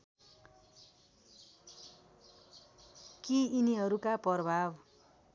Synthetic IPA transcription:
kiːniɦʌɾukapʌrʌbʱab

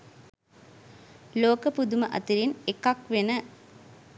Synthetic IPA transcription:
loːkəpud̪uməʔɐ̰t̪iɾinekakʋenə

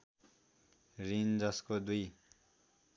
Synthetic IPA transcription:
rind͡zʌskod̪uj

